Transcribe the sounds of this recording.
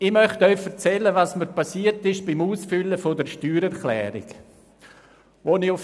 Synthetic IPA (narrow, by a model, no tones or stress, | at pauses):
ɪmœχtɔʏfəɾt͡sɛlːəvɑːsməɾpasiːətɪʃb̥imuːsfʏlːəfodəɾʃtyːɾɛɾklɛ̰ːɾɪ̰ɡ | ʋoniʊf